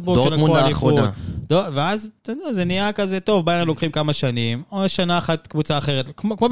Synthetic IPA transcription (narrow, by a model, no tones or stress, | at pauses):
boʃeaoaifutd̥̪oveaztod̪ɛazenijakazeto̞vbajalo̞kχimkamaʃanimoʃanaːχatkvut͡saːχe̞ʁetkmokmo